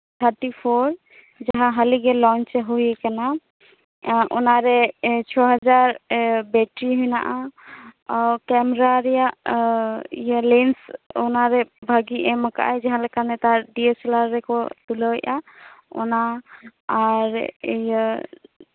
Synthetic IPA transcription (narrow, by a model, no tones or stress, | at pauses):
t̪ʰaɾʈipʰɔɾ | d͡ʒaɦãɦaliɡɛlɔnt͡ʃɦojekana | ʔɔ̰naɾɛt͡ʃʰɔɦad͡ʒaɾbɛʈɾiɦujna̰ʔa | kɛmɾaɾija | ḭjalensɔnaɾɛbʱaɡiʔɛməka̰ʔajd͡ʒaɦãlakanɛt̪aɾɖiesɛlaɾːɛkɔt̪ulɔjʔaɔ̰naː | ɾj